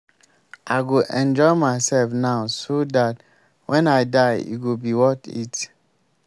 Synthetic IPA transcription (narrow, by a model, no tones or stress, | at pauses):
aɪɡoʔɛ̃nd͡ʒɔɪmaɪsɛlfnaʊsodat | wʔɛ̃naɪdaɪḭɡobiwɔtḭt